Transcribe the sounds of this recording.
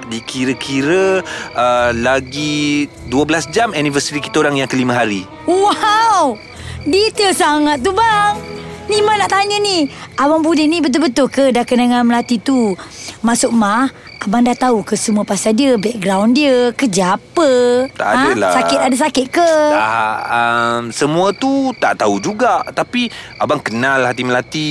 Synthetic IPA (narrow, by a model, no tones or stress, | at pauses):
dikiɾəkʰiɾəəlaɡi | duəbəlasd͡ʒamɛnivəsəɾiki̥t̪aoɾaŋjaŋkəlimə̃ɦaɾi | waw | dit̪əsaŋat̪̚ːubaŋnimanaʔt̪aɲəniʔawaŋbudɪnibət̪̬ʊlbət̪ʊlkədakənaŋanməlat̪it̪umasʊʔ̚mah | ʔabaŋdat̪aukəsəmuəpasadiəbɛk̚ɡɾawndiəkəd͡ʒapət̪a̰ʔad̃əlasakɪt̪adəs̬akɪt̪̚kəaəmsəmuət̪ut̪a̰ʔt̪aud͡ʒuɡaʔt̪apiʔabaŋkənalhat̪iməlat̪i